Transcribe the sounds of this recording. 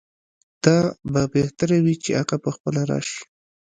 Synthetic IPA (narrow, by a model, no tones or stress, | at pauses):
d̪̥ɑbabeht̪aɾawit͡ʃeaɣapəxpəlaɾɑ̰ʃi̥